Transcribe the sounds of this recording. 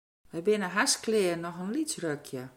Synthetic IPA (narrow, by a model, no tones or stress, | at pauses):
ʋɛjbɪnəɦasklɪːənɔxənlitrøkʰjə